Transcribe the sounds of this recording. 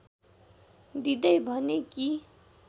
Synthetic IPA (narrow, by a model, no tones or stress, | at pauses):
d̪id̪ʌjbʱʌneki